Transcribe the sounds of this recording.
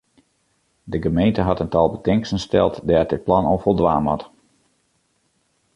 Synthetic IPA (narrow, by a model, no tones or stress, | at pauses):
dəɡəmejntəɦɑtəntɑlˠbətɪŋksənstɛ̰lˠtdɛːt̚dɪt̚plɑnofɔlˠdʋaːmɔt